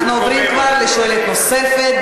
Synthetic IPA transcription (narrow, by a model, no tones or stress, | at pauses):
χnuovɾimkvaʁleʃoelet̪nose̞fet̪̚